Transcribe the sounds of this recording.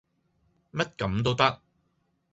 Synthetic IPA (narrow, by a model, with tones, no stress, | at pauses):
mɐ˥t̚kɐ˨˥mt̪̬o˥wt̪ɐ˥k̚